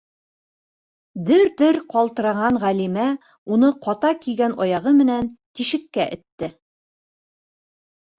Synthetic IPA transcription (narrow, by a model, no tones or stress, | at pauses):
bɘɾbɘɾqɑlˠt̪ɤ̆ɾɑʁɑɴʁælimæ | unɤqɒt̪ɑkiɡænɒjɑʁɤmɘ̆nænt̪iʃɘ̆kːæʔɘ̆t̪ːɘ